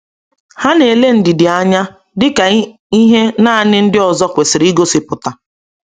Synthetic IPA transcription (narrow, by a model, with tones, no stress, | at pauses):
ha˦ne˨le˦n̩˨dɪ˨dɪ˨a˦ɲa˦ | dɪ˦ka˨ | i˦ɦe˦na˦a˦˨nɪ˦n̩˦dɪ˦ɔ˨zɔ˦kʷe˨sɪ˨ɾi˦ɡo˦sɪ˨pʊ˨ta˨